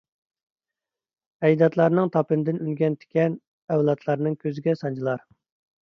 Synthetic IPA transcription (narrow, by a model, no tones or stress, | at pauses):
ɛjd̪ɑt̪lˠɑɾnɨŋt̪ʰɑpɨnɨd̪ɪnynɡʲɛnt̪ʰɪ̥kʲɛn | ɛwlˠɑt̪ʰlˠɑɾnɨŋkʲʰøzɪɡʲɛsɑnd͡ʒʰilˠɑɾ